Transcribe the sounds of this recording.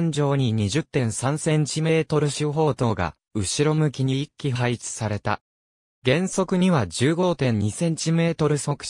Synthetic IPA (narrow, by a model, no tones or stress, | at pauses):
ɲ̟d͡ʑo̞ːɲ̟iɲ̟iʑɨt̪ːẽ̞ɰ̃sãɰ̃sẽ̞ɲt͡ɕime̞ːt̪o̞ɾɯ̟ɕiɦo̞ːt̪o̞ːɡa̰ | ɯ̟ɕiɾo̞mɯ̟kʲiɲ̟iːkʲːiɦait͡sɨ̥saɾe̞t̪a̰ | ɡẽ̞ɰ̃so̞kɯ̟ɲ̟iβad͡ʑɨːɡo̞t̪ẽ̞ɲ̟ɲisẽ̞ɲ̟t͡ɕime̞ːt̪o̞ɾɯ̟sokɯ̥ɕ